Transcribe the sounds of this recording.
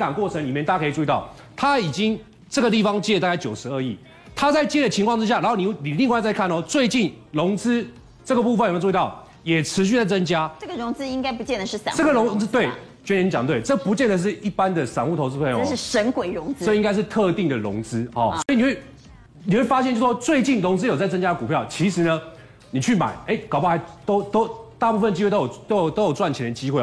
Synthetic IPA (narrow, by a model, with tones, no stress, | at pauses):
t̪ɑ˨˩ŋkwɔ˥˩t͡sʰə˧ŋli˨mjt̪a˥kʰi˨˩t͡su˥˧i˧t̪ɑ˥˩ʊ | t̪ʰa˦i˨˩t͡ɕi˦ŋ | t͡sə˥˩ɡə˩t̪̬i˥˩fɑ˧ŋt͡ɕɛ˥˧t̪a˥˧ka˥˩ɪt͡ɕjo˨˩ʂɻ̩˧˦ə˥˧i˥˩ | t̪ʰa˥t͡sa˥˩ɪt͡ɕjɛ˥˩də˩t͡ɕʰi˧ŋkʰwɑ˥˧ŋt͡sɻ̩˥ɕja˥˩na˧˥nho˥˩ʊni˨˩wni˨˩li˥˧ŋwɪ˧t͡sa˥˧ɪkʰa˥˩nɔ˨˩t͡swe˥˧ɪt͡ɕi˥˩nlʊ˧˥ŋt͡sɹ̩˥ | ʈ͡ʂə˥˩ɡə˩pu˥˩fə˨˩n˨˧˥t̪ʊ | jɛ˨˩ʈ͡ʂʰɻ̩˧˥ɕ̬y˥˧t͡sa˥˩ɪt͡sə˥nt͡ɕja˥ʈ͡ʂə˥˩ɡə˩ɻʊ˧˥ŋt͡sɹ̩˥i˥ŋka˥ɪpu˧˥t͡ɕjɛ˥˩nd̪ə˩ʂɻ̩˥˩sa̰˨ʈ͡ʂə˥˩ɡə˨lʊ˧˥ŋt͡s̩˥t̪we˥˩ɪ | t͡ɕɥɛ˥n˧ni˥t͡ɕjɑ˨ŋt̪we˥˩ɪʈ͡ʂɤ˥˩pu˧˥t͡ɕjɛ˥˩nd̪ə˩ʂ̬ɻ̩˥˧i˥˩pa˦nd̪ə˨sa˨˩nu˥˩t̪ʰo˧ʊt͡sɹ̩˥˧pʰe˥˧jʂɻ̩˥˩ʂə˧˦˥ŋkwe˨˩ɪɻʊ˧˥ŋt͡sə˥˨i˥ŋka˥ɪʂ̬̩˥˧t̪ʰɤ˥˧t̪i˥˩ŋd̪ə˨lʊ̰˧˦ŋt͡sɹ̩˥hɔ˨swɔ˧˥i˨ni˨xwe˥˩ɪ | ni˨˩xwe˥˩ɪfa˥ɕjɛ˥˩nt͡ɕo˥˧˩ʂɔ˥t͡swe˥˧ɪt͡ɕi˥˩nlʊ˧˥ŋt͡sɹ̩˥jo˨˩t͡sa˥˩ɪt͡sə˥nt͡ɕja˥˨ku˨˩pʰjɑ˥˩ʊt͡ɕʰi˧˥ʂɻ̩˧˦nə˧ | ni˨˩t͡ɕʰy˥˩ma̰˨˩˦ɪe˥˩ɪkɑ˨ʊpɑ˥˩xa˧˥ɪt̪o˥ʊt̪o˥ʊt̪a˥˧pu˥˩fə˨nt͡ɕi˥we˥˧t̪ɑ˥jt̪o˥jt̪o˥ʊjo˨˩t͡swa˥˩nt͡ɕʰi˨˩la˧˥d̪t͡ɕi˥xwe˥˩ɪ